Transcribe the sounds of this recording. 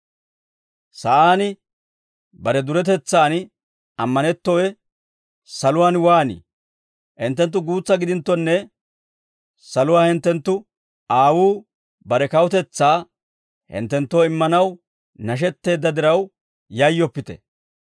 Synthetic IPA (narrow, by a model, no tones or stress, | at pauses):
sɐʔaːnɪ | bɐɾɛd̪ʊɾɛt̪̬ɛt͡sːaːn | ɐmːɐnɛt̪ːɔwɛ | sɐlʊwaːnwaːnḭː | hɪnt̪ːɛnt̪̬ːʊɡuːt͡sːɐɡɪd̪ɪnt̪ːɔnːɛ | sɐlʊwaːhɪnt̪ːɛnt̪ːʊ | aːwuː | bɐɾɛkɐwʊt̪ɛt͡sːaː | hɪ̰nt̪ːɛnt̪ːo̞ːɪmːɐnɐw | nɐʃ̬ɛt̪ːe̞ːd̪ːɐd̪ɪɾɐw | jɐjːɔpːɪt̪ɛ̥̰